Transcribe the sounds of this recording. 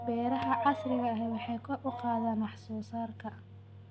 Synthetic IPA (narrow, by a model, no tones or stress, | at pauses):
bɛːɾɐɦɐʕɑsrɪɣɐːɦɛwɑħɑjkʰɐrʊqɑːðaːnwɑħsɔːsaːrkʰɐ